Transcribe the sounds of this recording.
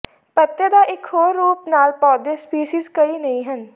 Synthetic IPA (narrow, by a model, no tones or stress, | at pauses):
pət̪jəd̪aːʔɪkʰɦoːɾːuːpnaːlpɔːd̪espiːʃiːzkəiːnəĩɦən